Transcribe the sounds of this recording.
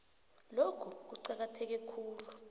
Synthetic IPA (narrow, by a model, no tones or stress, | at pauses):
lokʰuk̬uǀak̬atʰɛk̬ɛkʰuːlu